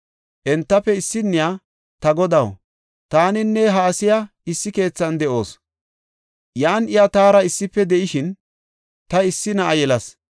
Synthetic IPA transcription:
ʔɛnt̪ːɐpːɛɪsːɪnːɪjaː | t̪ɐɡɔd̪ɐw | t̪aːnɪnːɛɦaːsɪja | ɪsːɪke̞ːt͡sːɐnd̪ɛʔo̞ːs | jaːnɪjat̪aːɾɐɪsːɪpːɛd̪ɛʔɪʃɪn | t̪ɐɪsːɪnɐʔɐjɛlɐs

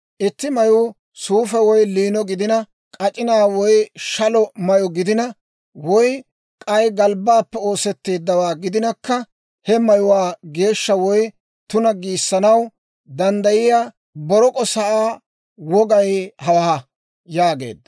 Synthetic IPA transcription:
ʔɪt̪ːɪmɐjʊ | suːfɛwɔjliːnɔɡɪd̪ɪnɐ | kʼɐt͡ʃʼɪnaːwɔjʃɐlɔmɐjɔɡɪd̪ɪnɐ | wɔj | kʼɐjɡɐlbaːpːɛo̞ːsɛt̪ːe̞ːd̪ːɐwaːɡɪd̪ɪnɐkːɐ | hɛmɐjʊwaːɡe̞ːʃːɐwɔj | t̪ʊnɐɡiːsːɐnɐw | d̪ɐnd̪ɐjɪjaː | bɔɾɔkʼɔsɐʔaː | wɔɡɐjhɐwɐhɐ | jaːɡe̞̰ːd̪ːɐ

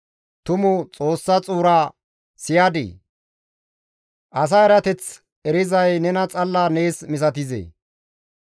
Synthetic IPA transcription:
t̪ʊmʊt͡sʼo̞ːsːɐt͡sʼuːɾaː | sɪjad̪ḭː | ʔɐs̬aɛɾɐt̪ɛt͡s | ɛɾɪzɐjnɛnɐt͡sʼɐlːane̞ːsmɪs̬ɐt̪ɪzḛː

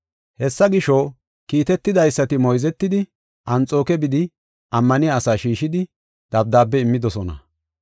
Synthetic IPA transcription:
hɛsːɐɡɪʃɔ | kiːt̪ɛt̪ːɪd̪ɐjsːɐt̪ɪmɔjzɛt̪ːɪd̪ɪ | ʔɐnt͡sʼo̞ːkɛbɪd̪ɪ | ʔɐmːɐnɪjaːsaːʃiːʃɪd̪ɪ | d̪̥ɐb̚d̪aːp̬ːɛɪmːɪd̪ɔsɔnɐ̰

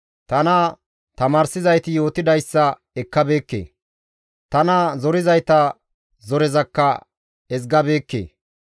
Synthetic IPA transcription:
t̪ɐnɐ | t̪ɐmaːɾsɪzɐjt̪ɪjo̞ːt̪ɪd̪ɐjsːɐ | ɛkːɐbe̞ːkːḛː | t̪ɐnɐzɔɾɪzɐjt̪ɐ | zɔɾɪzɐkːɐ | ɛs̬ɡɐbeːkːḛː

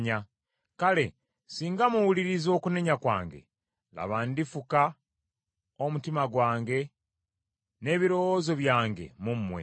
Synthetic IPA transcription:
ɲa | kale̞̰ | siːŋɡamuwuliɾizo̞ːkune̞ɲakwa̰ːŋɡe̞̰ | la̰βaːndifuka | o̞mutimaɡwaːŋɡe̞ | ne̞ːβiɾo̞wozo̞βjaːŋɡe̞̰mumːwe̞̰

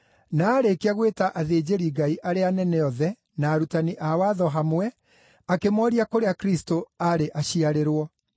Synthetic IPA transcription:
naːɾekeaɣwetaʔaðeːd͡ʑeɾiɡaiʔaɾeanɛnɛɔðɛ | naːɾutaniʔawaðɔɦamwɛ | akemɔɾiakoɾeakɾistoaɾeʔaɕiaɾeɾwɔ

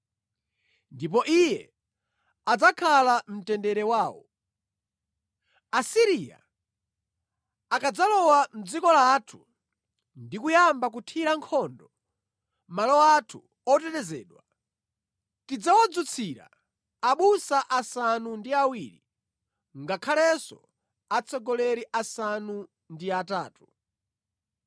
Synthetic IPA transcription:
ndip̬ɔʔijɛ | ad͡zakʰalam̩tɛndɛɾɛwaːwɔ̰ | asiɾija̰ | akad͡zalɔwam̩d͡zikɔlaːtʰu̥ | ndikujambak̬utʰiɾaŋkʰɔndɔ | malɔatʰu | ɔtɛtɛzɛ̰ːɗwa | tid͡zawad͡zut͡sʰiɾa̰ | aɓusaʔasanundiawiːɾi | ŋɡakʰalɛsɔ̰ | at͡sʰɔɡɔlɛɾiʔasanu | ndiata̰ːtu

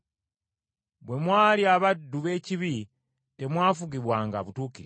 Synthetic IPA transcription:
bwe̞mwaːliaβadːuβe̞ːciβi | te̞mwaːfuɡiβwaːŋɡa̰βutuːkiɾ

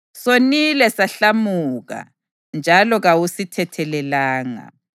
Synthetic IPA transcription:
sonilɛsaɬamuɣa̰ | nd͡ʒʱalɔɣawusitʰɛtʰɛlɛlaːŋa̰

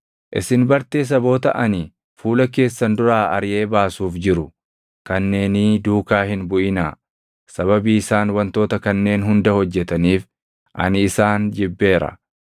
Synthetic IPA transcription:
ʔɪsɪnbɐɾt̪eːs̬ɐbo̞ːt̪ɐʔɐnɪ | fuːlɐk̬e̞ːsːɐnd̪ʊɾaːʔɐɾɪje̞ːbaːsuːfd͡ʒɪɾʊ | kɐnːe̞ːnɪd̪uːkaːhɪnbʊʔɪnaː | sɐβɐbiːɪsaːnwɐnt̪o̞ːt̪ɐkɐnːe̞ːnɦʊnd̪ɐhɔd͡ʒːɛt̪ɐniːf | ʔɐ̰nɪːsaːnd͡ʒɪbːe̞ːɾɐ̰

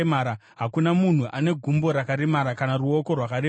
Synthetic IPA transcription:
maɾa | ɦakunamun̤uʔane̞ɡʱumbo̞ɾakaɾemaɾakanaruo̞ko̞rwakaɾe

